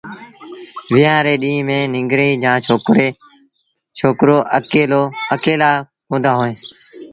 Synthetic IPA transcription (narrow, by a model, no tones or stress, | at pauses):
ʋɪjãːɾeːɗĩːmẽːnɪŋɡɾeiːd͡ʒãːoɾe | t͡ʃʰoːkɾoːʔəkeːloːəkeːlaː | ɦõːnd̪aːɦoːẽː